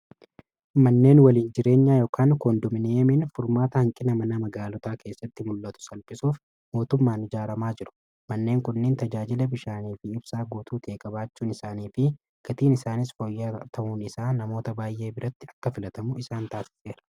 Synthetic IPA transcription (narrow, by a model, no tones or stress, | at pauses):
mɐnːe̞ːnwɐliːnd͡ʒɪɾe̞ːɲːaːjoːkʰaːnkoːnd̪ʊmɪneːmɪnfʊɾmaːt̪ɐhɐŋkʼɪnɐmɐnɐmɐɡaːlɔt̪aːkeːsːɐt̪ːɪmʊlːɐt̪ʊ̥sɐlpɪsuːf | mo̞ːt̪ʊmːaːnɪd͡ʒaːɾɐmaːd͡ʒɪɾʊ̥ | mɐnːe̞ːŋkʊnːeːnt̪ɐd͡ʒaːd͡ʒɪlɐbɪʃaːniːfɪɪbsaːɡuːt̪uːt̪ʰe̞ːkʼɐbaːt͡ʃːuːnɪsaːniːfɪ | ɡ̥ɐt̪iːnɪsaːnɪsfoːjːat̪ʰɐʔuːnɪsaːnɐmo̞ːt̪ɐbaːjʔe̞ːbɪɾɐt̪ːɪɐkːɐfɪlɐt̪ɐmʊɪsaːnt̪aːsɪ̥se̞ːɾɐ̥